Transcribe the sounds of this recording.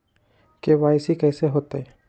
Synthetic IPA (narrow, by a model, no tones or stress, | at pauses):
keʋaːɪsikɛːseɦoːt̪aɦɛ